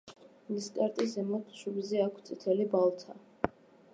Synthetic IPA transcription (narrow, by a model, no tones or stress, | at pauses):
list̪ʼaɾt̪ʼizɛmɔt̪ʰʃubizɛakʷʰt̪sʼit̪ʰɛlibalˠt̪ʰa